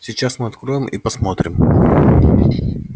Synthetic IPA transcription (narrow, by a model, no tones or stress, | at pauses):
sʲɪt͡ɕasmɨɐt̪kɾo̞ɪmḭpɐsmo̞t̪ɾʲɪm